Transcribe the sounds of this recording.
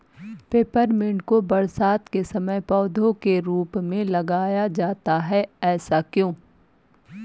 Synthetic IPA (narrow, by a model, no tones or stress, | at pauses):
peːpəɾmɪ̃ɳɖkobɐɾsaːt̪kesɐməjpɔːd̪ʱõkeɾuːpmẽlɐɡaːjad͡ʒaːt̪aɦɛɛːsakjõː